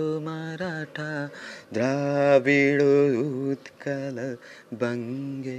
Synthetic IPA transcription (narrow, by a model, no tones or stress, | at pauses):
omaːɾaːʈʰad̪ɾaːʋiːɭout̪kɐlɐ | bɐŋɡe